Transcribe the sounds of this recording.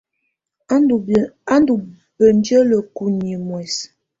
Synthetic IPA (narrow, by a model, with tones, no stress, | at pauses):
a˦ndu˨ | bə˨n˦də˦lə˨ku˨ni˨mwɛ˨s